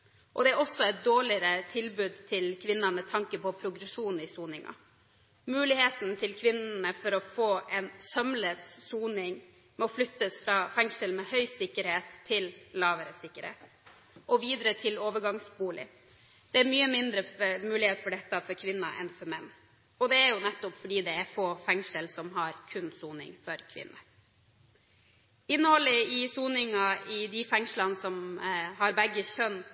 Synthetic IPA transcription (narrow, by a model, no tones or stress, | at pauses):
ʔɔ̰d̪ɛæɾɔsɔɛt̪̚d̪oːɭɪəɾət̪ʰɪlbʉːd̪t̪ʰɪlkʰʋɪnːɑnmɛt̪ʰɑŋkəpʰɔpʰɾʊɡɾɛʂuːn̩ɪsuːnɪŋɑ̰ | mʉːlɪheːt̪n̩t̪ʰɪlkʰʋɪnnəfɔɾɔfoːʔɛnsœmləssuːnɪŋ | mɔflʏt̪ːəsfɾɑːfæŋʂəlmɛhœʏsɪkːəɾheːt̪ʰːɪllɑːʋəɾəsɪkːəɾhḛːt̪ | ʔɔʋiːd̪ɾət̪ʰɪloːʋəɾɡɑŋsbuːlɪ̰ | d̪̥ɛæɾmyːəmɪnd̪ɾəmʉːlɪheːt̪fɔɖɛt̪ːɑfɔɾkʰʋɪnːɑʔɛ̰nfɔɾmɛnː | ɔd̪ɛæɾjʊnɛt̪ːʊpfɔɖiːd̪ɛæɾfoːfɛŋʂəlsɔmɦɑɾkʰʉnsuːnɪ̰ŋfɔɾkʰʋɪ̰nːə | ɪnːəhɔlːəɪsuːnɪŋɑɪd̪ɪfɛŋʂlɑnsɔmhɑɾbɛɡːəçœn